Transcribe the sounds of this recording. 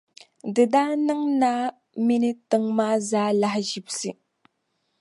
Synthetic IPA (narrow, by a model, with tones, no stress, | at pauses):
də˨da˦nə˦ŋna˦ | mi˦ni˦tə˨ŋma˦za˦la˦hʒi˨p̚si˦